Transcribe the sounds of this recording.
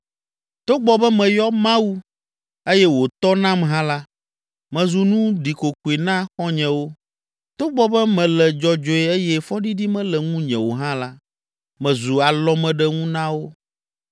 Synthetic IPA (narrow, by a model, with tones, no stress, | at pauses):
t̪o˦ɡ͡bɔ˨bɛ˦mɛ̃˨jɔ˦mã˦wu˦ | e˦jɛ˦wo˨t̪ɔ˦nã˦mɦã˦la˦ | mɛ̃˨zu˨nũ˦ɖi˨ko˨ku˨i˨nã˦xɔ˦ɲɛ̃˨wo˦ | t̪o˦ɡ͡bɔ˦bɛ˦mɛ̃˨lɛ˨d͡ʒɔ˨d͡ʒɔ˨ɛ˦e˦jɛ˦fɔ˦ɖi˦ɖi˦mɛ̃˦lɛ˨ŋũ˦ɲɛ̰̃˨wo˨ɦã˦la˦ | mɛ̃˨zu˨a˨lɔ˦mɛ̃˨ɖɛ˦ŋũ˦nã˦wo˦